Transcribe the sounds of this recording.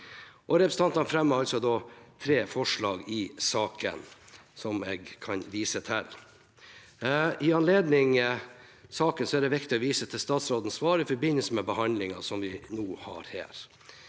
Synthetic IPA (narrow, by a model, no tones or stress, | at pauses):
ʔɔɾɛpɾəsn̩ɑnt̪ɑnfɾɛmːəɾɑlsɔd̪ɔt̪ʰɾeːfɔʂɭɑːɡɪsɑːkə̰nsɔmɛːɡkʰɑnʋiːsət̪ʰɛlː | ɪɑnleːd̪nɪŋ | sɑːkənsɔæɖɛʋɪkt̪ɪɔʋiːsət̪ʰɪlst̪ɑːt̪sɾoːd̪ən̩sʋɑːɾɪfɔɾbɪnːəlsəmɛbəhɑnd̪lɪŋɑsɔmʋɪnuːhɑ̰ɾhæ̰ːɾ